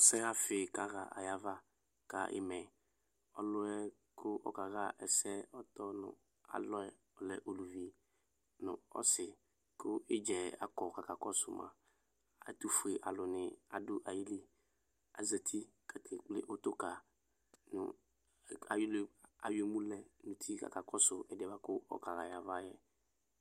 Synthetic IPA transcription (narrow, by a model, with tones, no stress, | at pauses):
sɛ˦ɣa˦fɪ˨ka˦ɣa̰˨ʔa̰˨ja˦va˦ | ka̰˨ʔɪ̰˨mɛ˨ | ɔ˦lʊ˦ɛ˦ | kʰʊ˦ʔɔ̰˨ka˨ɣa˦ʔɛ˨sɛ˦ɔ˦tɔ˦nʊ̰̃˨ | a̰˨lɔ˦ɛ˨ | ɔ˨lɛ˨ʔo˨lu˨vi˨ | nʊ̰̃˨ɔ̰˦sɪ˨ | kʊ˦ɪ˦d͡ʒɛ˨a̰˨kɔ˨ka˨ka˨kɔ˦sʊ̰˨ma̰˨ | a˨tu˨fu˨e˨ʔa˨lʊ˨nɪ˨a˨dʊ˦ʔa˨ji˦le˦ | a̰˨zə˨tʰi˦kʰa˨kʰɪ˨k͡plɪ̰˦ʔo˦tʊ˦ka˨ | nʊ̰˨ | a̰˨jʊ˦lɪ˨a̰˨je˨mũ˦lɛ˨nʊ̃˨t̪ʰi˦ka̰˨ka˨kɔ˦sʊ˨ɛ˨dɪ˨ɛ˨ba˦kʊ˦ɔ̰˦ka˨ɣa˨ja˨va˦jɛ˦